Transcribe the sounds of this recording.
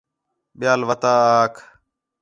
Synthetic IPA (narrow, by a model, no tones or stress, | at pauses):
ɓɪjaːlʋət̪aːaːkʰ